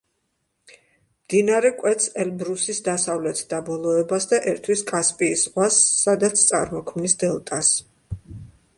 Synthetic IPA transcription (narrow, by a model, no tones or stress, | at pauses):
md̪inaɾɛkʼwɛt̪sɛlbɾusisd̪asavlɛt̪ʰd̪̥abɔlˠɔɛbasd̪aʔɛɾt̪ʰwiskʼaspʼiːsʁwasːad̪at̪sʰt̪sʼa̰ɾmɔkʰmnisd̪ɛlˠt̪ʼas